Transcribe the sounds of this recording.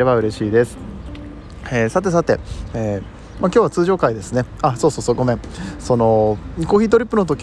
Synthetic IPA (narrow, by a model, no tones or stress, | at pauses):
e̞βaɯ̟ɾe̞ɕiːd̪e̞sɨ̥ | esat̪̬ːe̞s̬at̪e̞e | makʲjoːβat͡sɨːʑo̞ːkaid̪e̞sɨne̞asoːso̞ːso̞ːɡo̞mẽ̞ɴso̞no̞ɲʲiko̞ːçʲiːt̪̬o̞ɾʲipːɯ̟no̞t̪o̞kʲ